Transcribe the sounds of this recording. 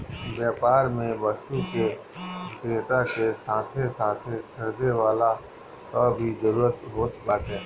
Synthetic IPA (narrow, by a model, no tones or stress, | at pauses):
bjaːpaːɾmẽbəstuke | d̪eːt̪akesãːt̪ʰesãːt̪ʰekʰəɾd̪eʋaːla | k̪ɔbʱizəɾuːɾət̪ɦoːt̪baːt̪ẽː